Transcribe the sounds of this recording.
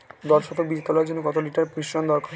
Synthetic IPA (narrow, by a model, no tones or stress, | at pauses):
d̪ɔɾʃɔfʰobid͡ʑed̪alɔeɾd͡ʑonːokɔt̪oliʈaɾpɾiʃɾond̪ɔɾkaɾ